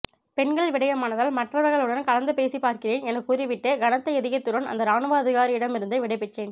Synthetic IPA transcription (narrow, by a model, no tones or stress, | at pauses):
pɛnɡɐɭʋɪɽɐjɐmaːnɐðaːlmɐʈrɐʋɐɾɣɐɭɯɽɐnkɐlɐnd̪ɯpeːsipaːɾkɪreːnɛnɐkːuːɾɪʋɪʈːɐɡɐnɐt̪ːɐɪɐðɪɣɐt̪ːɯɾɐnɐ̰nd̪ɐɾaːnɯʋaːɐðɪɣaːɾiɪɽɐmɪɾɯnd̪ɐɪʋɪɽɐɪpɛʈreːn